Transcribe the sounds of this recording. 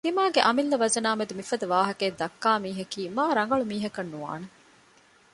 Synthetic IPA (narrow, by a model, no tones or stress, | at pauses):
d̪̥imaːɡeʔɐmilːɐʋɐzɐnaːmed̪umifɐd̪ɐʋaːɦɐkeːd̪ɐkːaːmiːɦɐkiːmaːɾɐŋ̆ɡɐɭumiːɦɐkɐnːuʋa̰ːne